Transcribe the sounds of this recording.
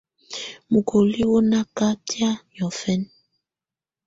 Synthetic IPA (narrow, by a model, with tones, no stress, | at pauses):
mu˨kʰo˨li˦wo˦na˦ka˦tja˦ɲɔ˨fɛ˦n